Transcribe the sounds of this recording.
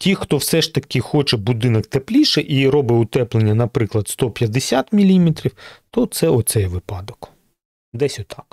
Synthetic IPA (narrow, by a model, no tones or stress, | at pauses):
tʲixt̪ɔwsɛʃt̪ɐkʲɪxɔt͡ʃɛbud̪ɪnɐkt̪eplʲiʃɛʔiɾɔbɪʊt̪ɛplˠenʲːɐnɐpɾɪklˠɐd̪st̪ɔpʲjɐd̪esʲat̪mʲilʲimʲet̪ɾʲiwt̪ɔt̪sɛɔt̪sɛjʋɪpɑd̪ɔk | d̪ɛsʲɔt̪ɑk